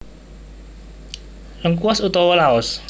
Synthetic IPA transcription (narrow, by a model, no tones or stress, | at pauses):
ləŋkuɔsut̪ɔwɔlaɔs